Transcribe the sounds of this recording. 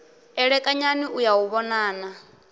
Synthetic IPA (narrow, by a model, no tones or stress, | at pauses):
ɛɺɛkʼaɲaniʔujawuβɔnaːna